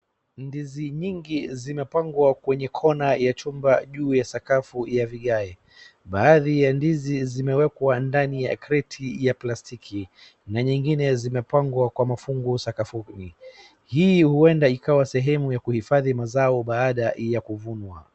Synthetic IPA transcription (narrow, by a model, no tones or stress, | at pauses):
ndiziɲiŋɡizimɛpaŋɡwakwɛɲɛkʰɔnajat͡ʃumbaʄuːjasakafujaviɠaɛ | ɓaːðijandizizimɛwɛkwandanijakɾɛtʰijaplastikʰi | naɲiŋɡinɛzimɛpaŋɡwakwamafuŋɡusakafuni | hiːhuɛndaikawasɛɦɛmujakuhifaðimazaɔɓaːɗajakuvunwa̰